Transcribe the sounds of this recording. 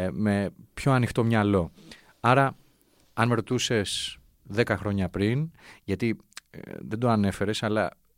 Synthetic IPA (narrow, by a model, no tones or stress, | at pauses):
me̞pço̞ɐnixt̪o̞mɲɐlo̞ | ɐɾɐ | ɐnmeɾo̞t̪use̞s | ðe̞kɐxɾo̞ɲɐpɾinʝɐt̪i | ðed̪oɐne̞fe̞ɾe̞sɐlɐ̰